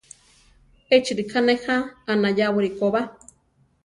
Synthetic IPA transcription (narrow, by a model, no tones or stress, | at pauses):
et͡ʃiɾikʰanehaːnajawɨɾikoβa